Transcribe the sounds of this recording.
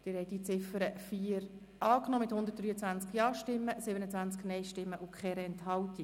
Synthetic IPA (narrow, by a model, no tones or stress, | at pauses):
d̪̥ɪɾhɛɪd̥it͡sɪfəɾəfiːəɾ | ʔɑːknɔːmɪthʊnd̪əɾt̚d̥ryːət͡sʋænt͡skjɑːʃtɪmːəsɪbənət͡sʋænt͡sknɛɪʃtɪmːəʔʊkχɛːɾɛɛnthɑlti